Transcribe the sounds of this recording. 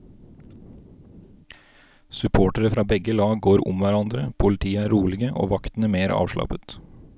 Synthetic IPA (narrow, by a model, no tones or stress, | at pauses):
sʉpʰoːʈəɾəfɾɑːbɛɡəlɑːɡɡoːɾʊ̰mʋæɾɑnd̪ɾəpʰʊlɪt̪ʰiːəæːɾuːlɪɡəʔo̰ːʋɑkt̪n̩æːmeːɾɑ̰ːʋʃlɑ̰pət̪